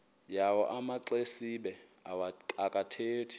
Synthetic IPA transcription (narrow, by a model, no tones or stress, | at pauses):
jawɔ̰ʔamaǃesiɓɛ | akʼatʰeːtʰi̥